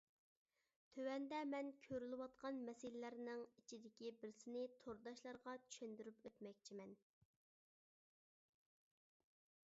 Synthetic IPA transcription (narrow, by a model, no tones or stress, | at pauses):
t̪ʰøwɛnd̪ɛmɛnkʲʰøɾylɪwɑt̪̚qɑnmɛsɪlɪlæɾnɪŋit͡ʃʰid̪ɪkʲibɪɾsɪnɪt̪ʰoɾd̪ɑʃlˠɑɾʁɑt͡ʃʰy̥ʃɛnd̪yɾypøt̪mɛk̚ʲt͡ʃʰimɛn